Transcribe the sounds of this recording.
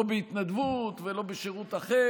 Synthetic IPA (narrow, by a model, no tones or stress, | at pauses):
obeit̪nad̪vut̪velo̞beʃeʁut̪aχe